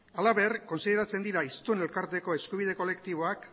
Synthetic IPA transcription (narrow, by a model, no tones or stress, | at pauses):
alaβe̞rko̞nsiðe̞ɾat͡se̞nd̪iɾaist̪une̞lkaɾt̪e̞ko̞e̞skuβ̞iðe̞ko̞le̞kt̪iβ̞o̞ak